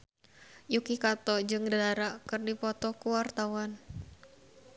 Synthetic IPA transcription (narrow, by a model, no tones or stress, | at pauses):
jukikat̪ɔd͡ʒɨŋdaaɾakɨrdipɔt̪ɔkuwart̪awan